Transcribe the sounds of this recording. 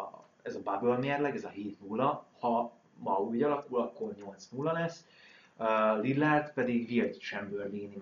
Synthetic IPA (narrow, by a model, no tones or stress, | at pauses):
ɛzɒbabølmeːrlɛɡɛzɒɦeːt̪nulːɒhɒ | mɒyːɟɒlɒkulɒkːo̞rɲo̞lt̪snulːɒlɛsː | lilːart̪pɛd̪iɡvirt̪t͡ʃɛmbørliːni